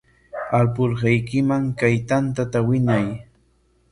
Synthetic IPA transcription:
alp̬ʊɾɢɑjkɪmaŋkajt̪ant̪at̪awɪɲaj

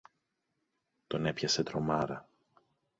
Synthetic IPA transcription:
t̪o̞ne̞pçɐse̞t̪ɾo̞mɐɾɐ

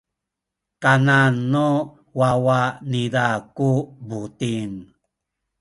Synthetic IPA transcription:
kananːo | wawanidakubutin

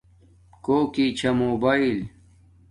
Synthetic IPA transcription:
koːkit͡ɕʰɐmoːbail

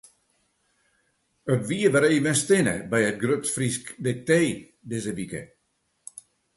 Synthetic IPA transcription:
ətʋiəʋəɾeːvənstɪnə̰bɛjət̚ɡrøtfriskdɪk̚teː | dɪzəʋikə̰

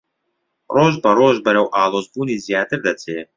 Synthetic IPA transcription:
roːʒbɐɾoːʒbɐɾɛwʔaːlˠoːzbuːnizijaːt̪ɪɾd̪ɐt͡sʰeː

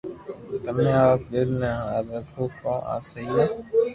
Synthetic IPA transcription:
t̪əmːẽːaːp̚ɗɪɾnə̃aːd̪ɾəkʰoːkõːʔa̰ːsəɦiːɛː

